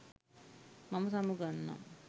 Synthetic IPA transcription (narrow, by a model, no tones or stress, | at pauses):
mamɐsamuɡanːa̰m